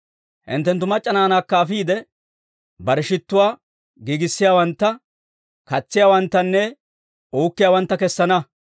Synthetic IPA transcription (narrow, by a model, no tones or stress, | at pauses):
hɪ̰nt̪ːɛnt̪ːʊmɐt͡ʃʼːɐnaːnaːkːaːfiːd̪ɛ | bɐɾɛʃɪt̪ːʊwaː | ɡiːɡɪsːɪjaːwɐnt̪ːɐ | kɐt͡sːɪjaːwɐnt̪ːɐnːɛ | uːkːɪjaːwɐnt̪ːɐkɛsːɐnɐ